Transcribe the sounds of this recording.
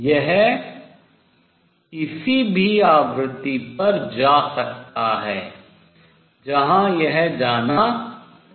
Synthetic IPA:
jɛɦ | ɪsibʱiaːʋɾɪt̪ːipɐɾd͡ʒaːsɐk̚t̪aɦɛː | d͡ʒɐɦãjɛɦd͡ʒaːna

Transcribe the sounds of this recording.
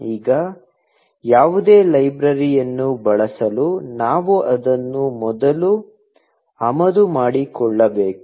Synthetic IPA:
iːɡɐ | jaːʋud̪e̞ːlɐjbɾɐɾijɐnːubɐɭɐsɐlunaːʋuʔɐd̪ɐnːumɔd̪ɐlu | ɐmɐd̪umaːɽikɔɭːɐbeːku̥

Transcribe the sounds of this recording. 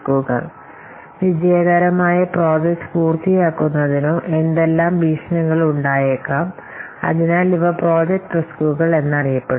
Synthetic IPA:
kuːɣɐ̰ɭ | ʋid͡ʑɐjɐɡɐɾɐmaːjɐpro̞ːd͡ʑɐkspuːrt̪ijaːkːunːɐðinuʔe̞nd̪e̞lːaːmʋiːʂɐnɐŋːɐɭuɳɖaːjekːɐm | ɐ̰ðinaːɭiʋɐpro̞ːd͡ʑek̚ʈɨskuːɣɐɭe̞nːɐrijɐpːeɽu

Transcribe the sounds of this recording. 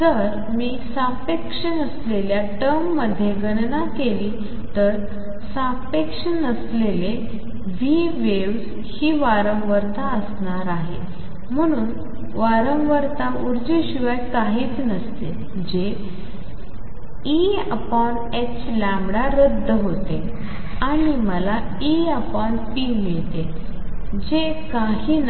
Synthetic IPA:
d͡z̪əɾ | miːsãpekʂənəsleljaʈəmːəd̪ʱːjeɡənnakeliː | t̪əɾ | sãpekʂənəslele | ʋiː | ʋeʋs | hiːʋaɾə̃ŋɡʋəɾt̪aəsnaɾaɦḛ | m̤əɽ̃uːn | ʋaɾəŋɡʋəɾt̪auɾd͡ʑiɕiʋaj̪kaɦiːt͡snəst̪e | d͡ʑe | i | əpaɳ | et͡ɕlãmbɽaɾəd̪ʱːəɦot̪e | aɽiməla | iəpaɳpimeɭt̪e | d͡ʑekaɦiːn

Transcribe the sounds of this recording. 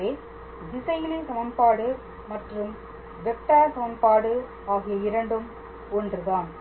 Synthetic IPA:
eː | d̪ɪsɐjɪleːsɐmɐmpaːɽɯ | mɐʈrɯm | ʋɛk̚ʈːaːsɐmɐmpaːɽɯ | aːɣɪjɐɪɾɐɳɖɯm | ɔndrɯðaːn

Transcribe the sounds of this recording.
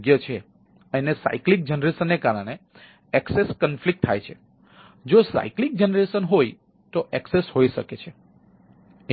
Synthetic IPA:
ɡjət͡ʃʰe | ənesa̰iklik̚d͡ʒənɾesənːekaɾəɽ̃e | ɛkseskənflik̚t̪ʰːa̰jt͡ʃʰe | d͡ʒosa̰iklik̚d͡ʒənɾesənɦoj | t̪oʔɛksesɦoiʃə̰ket͡ʃʰe

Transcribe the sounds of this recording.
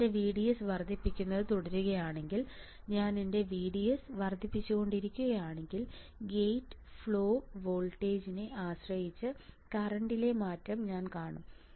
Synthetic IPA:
deʋiːɽijɐsʋɐrd̪ʱipːikʲːunːɐðɨt̪oɽɐɾuɣɐjaːɳe̞ŋɡil | ɲaːninde̞ʋiːɽijɐsʋɐrd̪ʱipːit͡ɕːuɣo̞ɳɖiɾikʲːuɣɐjaːɳe̞ŋɡil | ɡejʈːɨ̥fɭo̞ːʋo̞ːlʈe̞ːd͡ʑineʔaːɕrɐjit͡ɕːɨkɐrɐɳɖile̞maːtrɐmɲaːnkaːɳum

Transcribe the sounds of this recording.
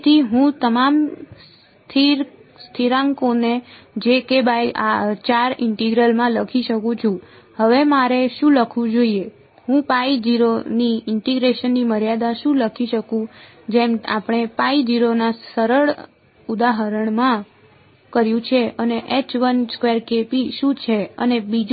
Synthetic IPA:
t̪ʰiɦũt̪əmams | t̪ʰiɾst̪ʰiɾãŋkoned͡ʒekebajat͡ʃaɾɪɳʈiɡɾəlmãləkʰiʃəkũt͡ʃʰũ | həʋemaɾeʃũləkʰʋũd͡ʒoie | ɦũpaid͡ʒiɾoniɪɳʈiɡɾeʃənːiməɾjad̪aʃũləkʰiʃəkũ | d͡ʒema̰pɽ̃epaid͡ʒiɾonasəɾəɭ | ud̪aɦəɾəɳmã | kəɾjũt͡ʃʰeəneʔet͡ʃʋənskʋeɾkepiʃũt͡ʃʰeənebid͡ʒ

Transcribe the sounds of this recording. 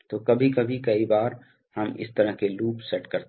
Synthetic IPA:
t̪oːkɐbʱikɐbʱikɐibaːɾ | hɐmɪ̰st̪ɐɾəkeluːpsɛʈkɐɾt̪

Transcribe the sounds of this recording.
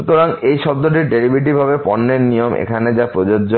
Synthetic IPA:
ut̪oɾaŋejʃɔd̪ːoʈ̬iɾɖeɾibiʈ̬ibʱabepɔnːeɾnijomʔḛkʰaned͡ʑapɾod͡ʑod͡ʑo

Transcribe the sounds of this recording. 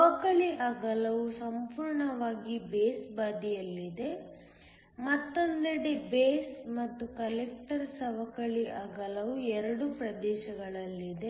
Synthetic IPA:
ɐʋɐkɐɭiʔaːɡɐlɐʋusɐmpuːɾɳɐʋaːɡibeːsbaːd̪ijɐlːid̪e̞ | mɐt̪ːond̪ɐɽebeːsmɐt̪ːukɐlek̚ʈɐɾsɐʋɐkɐɭiʔaːɡɐlɐʋuɛɾɐɽupɾɐd̪ɛːʃɐɡɐɭɐlːid̪e

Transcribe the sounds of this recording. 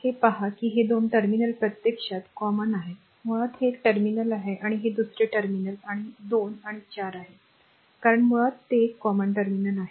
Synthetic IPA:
hepaɦakiːɦed̪onʈəɾminəlpɾət̪jekʂat̪kɔmənaɦe | məɭat̪hekʈəɾminəlaɦeʔaɽ̃iɦed̪usɾeʈəɾminəlaɽ̃id̪onaɽ̃it͡ɕaɾaɦe | kaɾəɳmuɭat̪ːekːɔməɳʈəɾminəlaɦe

